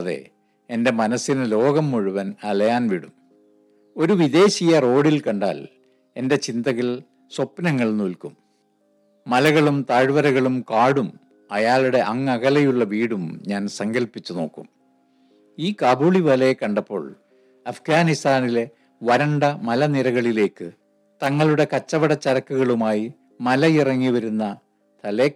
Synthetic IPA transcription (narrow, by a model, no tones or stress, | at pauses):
ɐðḛ | e̞nde̞mɐnɐsːinɨlo̞ːɡɐmːuɻuʋɐnɐlɐjaːnʋiɽum | o̞ɾuʋiðe̞ːɕijɐro̞ːɽilkɐɳɖa̰ːl | e̞nde̞t͡ɕind̪ɐɣɐl | swopːnɐŋːɐɭnuːlkumː | ɐlɐɣɐɭumt̪aːɻʋɐɾɐɣɐɭumkaːɽum | ɐjaːɭiɽe̞ʔɐŋːɐɣɐlɐjuɭːɐʋiːɽumɲaːnsɐŋɡɐlpːit͡ɕːuno̞̰ːkːum | iːkaːbuːɭiʋɐlɐjekːɐɳɖɐpːo̞ːɭ | ɐfɡaːnist̪aːnile | ʋɐɾɐɳɖɐmɐlɐniɾɐɣɐɭile̞ːkːɨ | t̪ɐŋːɐɭuɽe̞kɐt͡ɕːɐʋɐɽɐt͡ɕːɐɾɐkːuɣɐɭumaːji | mɐlɐirɐŋːiʋɐɾunːɐ | t̪ɐle